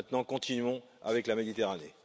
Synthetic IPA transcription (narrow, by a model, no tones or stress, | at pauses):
ɛ̃t̪nɑ̃kɔ̃t̪inɥɔ̃ | a̰vɛklamed̪it̪eʁane